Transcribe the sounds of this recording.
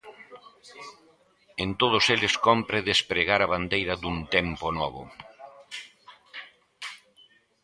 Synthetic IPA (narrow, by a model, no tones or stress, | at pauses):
ent̪oð̞ʊselɪskɔmpɾeðespɾeɣaɾɐβand̪ejɾɐðunt̪ɛmponɔβ̞ʊ̰